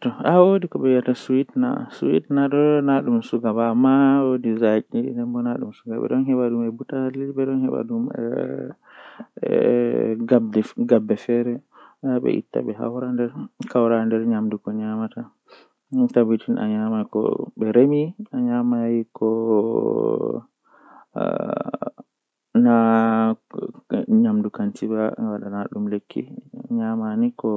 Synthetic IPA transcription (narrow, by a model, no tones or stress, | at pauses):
tɔawodikɔɓɛjatasuwitna̰suwḭtnadɔnaɗumsuɡabamawodizakʼindɛnbɔnaɗṵmsuɡa̰ɓɛ̰ɗɔnɦɛɓaɗumɛbutalibɛɗɔnhɛɓa̰ɗumɛ̰ | adɡabːɛfɛɾɛ | ɓɛ̰ʔḭtːa̰ɓɛɦa̰wɾandɛɾkawɾandɛɾɲamdukɔɲamata | tabitʰinʔa̰ɲamakɔ̰ɓɛɾemiaɲamajikɔ | na | ɲamdukantibaŋawaɗanaɗumlekʰːḭɲamanikɔ